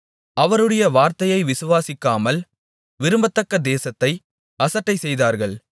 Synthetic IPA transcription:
ɐʋɐɾɯɽɐjɐʋaːɾt̪ɐjɐɪʋɪsʊʋaːsɪkːaːmɐl | ʋɪɾɯmbɐt̪ːɐkːɐd̪eːsɐt̪ːɐɪ | ɐsɐʈːɐɪsɛjðaːɾɣɐɭ

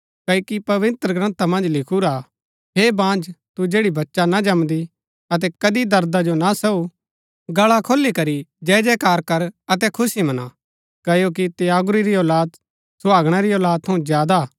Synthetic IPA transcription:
kɐkipɐʋɪt̪ɾəɡɾɐ̃nt̪amɐ̃nd͡ʒlɪkʰuɾa | ɦebãːnd͡ʒt̪ud͡ʒeːɽibɐtːʃanad͡ʒɐmd̪i | ɐt̪̬ɛkɐd̪id̪ɐɾd̪ad͡ʒonasɐu | ɡɐɭakʰoːlːikɐɾid͡ʒɛːd͡ʒɛkaːɾkɐɾɐt̪̬ɛkʰʊsimɐna̰ | kɐjok̬it̪ejaːɡʊɾiɾiɔːlaːd̪ | sʊaːɡɽ̃aɾiɔːlaːd̪̚t̪ʰɐũzjaːd̪a

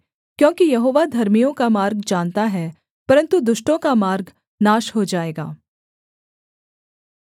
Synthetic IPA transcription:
kjõːkijɐɦoːʋad̪ʱɐɾmijõkamaːɾɡd͡ʒaːnt̪aɦɛ | pɐɾə̃nt̪ud̪ʊʃʈõkamaːɾɡ | naːʃɦod͡ʒaːeːɡa̰ː

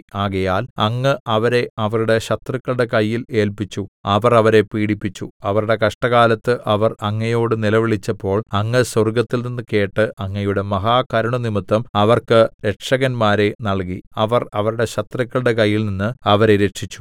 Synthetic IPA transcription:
aːɣɐjaːlɐŋːɨʔɐʋɐɾe̞ɐʋɐɾuɽe̞ɕɐt̪rɐkːɐɭɨɽe̞kɐjːile̞ːlpit͡ɕːuɐʋɐrɐʋɐɾe̞piːɽipːit͡ɕːuɐʋɐɾuɽe̞kɐʂʈɐɣaːlɐt̪ːɨʔɐʋɐrɐŋːɐjo̞ːɽɨnilɐʋiɭit͡ɕːɐpːo̞ːɭɐŋːɨsɐrɡɐt̪ːilninːɨke̞ːʈːɨʔɐŋːɐjuɽe̞mɐɦaːkɐɾɐɳunimɨt̪ːɐmɐʋɐrkɨɾe̞ʈʂɐɣɐnmaːɾe̞nɐɭkiɐʋɐrɐʋɐɾuɽe̞ɕɐt̪rɐkːɐɭɽe̞kɐjːilninːɨɐʋɐɾe̞ɾe̞ʈʂit͡ɕːu̥

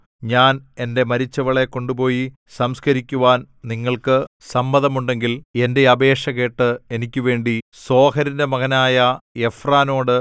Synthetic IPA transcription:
ɲaːne̞nde̞mɐɾit͡ɕːɐʋɐɭekːo̞ɳɖupo̞ːji | sɐmskɐɾikʲːuʋaːn | niŋːɐɭkɨsɐmbɐðɐmuɳɖe̞ŋɡile̞nde̞ɐbe̞ːʂɐɣe̞ːʈːɨe̞nikʲːuʋe̞ːɳɖiso̞ːɦɐɾinde̞mɐɣɐnaːjɐe̞fraːno̞ːɽɨ

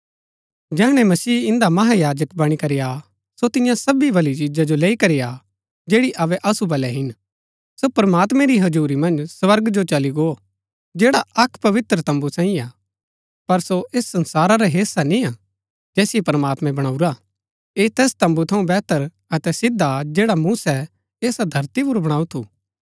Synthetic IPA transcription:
d͡ʒɛːɽ̃ɛ̃mɐsiːɪ̃nd̪amɐɦajaːd͡ʒəkbɐɽ̃ikɐɾija | sot̪ɪjãsɐbibɐlit͡ʃid͡ʒad͡ʒoleːikɐɾija | d͡ʒeːɽiʔɐʋɛʔɐsubɐlɛɦɪn | sopɾɐmaːt̪mɛ̃ɾiɦɐd͡ʒuːɾimɐ̃nd͡ʒsʋɐɾɡd͡ʒot͡ʃɐliɡoː | d͡ʒeːɽaʔɐkʰpɐʋɪt̪ɾət̪ɐ̃mbusãːĩaː | pɐɾsoʔeːsːɐ̃nsaːɾaɾɛɦeːsanĩa | d͡ʒɛːsiepɾmaːt̪mɛ̃bɐɽ̃aːuɾa | et̪ɛːst̪ɐ̃mbut̪ʰɐũbɛːt̪əɾ | ɐt̪ɛsɪd̪ʱːad͡ʒeːɽamuːsɛ | eːsad̪ʱɐɾt̪ip̬ʊɾbɐɽ̃aːut̪ʰuː

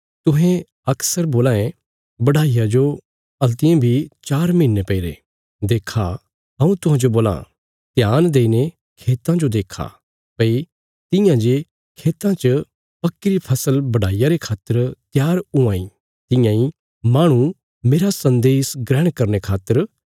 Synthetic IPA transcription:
t̪ʊɦẽ | ɐksəɾboːlãːẽ | bɐɽaːijad͡ʒo | ɐlt̪ɪjẽbʱit͡ʃaːɾmĩːnːepɐiɾḛ | d̪eːkʰa | ɐũt̪ʊɦãːd͡ʒoboːlã̰ | t̪jaːnd̪eːine | kʰeːt̪ãd͡ʒod̪eːkʰa̰ | pɐi | t̪ɪ̃jãd͡ʒe | kʰeːt̪ãt͡ʃə | pɐkːiɾipʰɐsəlbɐɽ̤aːijaɾekʰaːt̪ːəɾt̪jaːɾʊ̃ãːĩ | t̪ɪ̃jãĩ | mãːɽ̃ũ | meːɾasɐ̃nd̪eːsɡɾɛ̃ːɽ̃kɐɾnekʰaːt̪ːəɾ

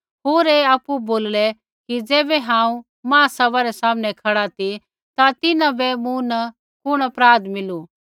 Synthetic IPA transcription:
ɦoːɾeːaːpuboːllɛ | kid͡zɛːbɛɦãːũ | mãːsɐbaɾɛsaːmnɛkʰɐɽat̪i | t̪at̪ɪnãbɛmũnɐ | kʊɽ̃ɐpɾaːd̪mɪlu

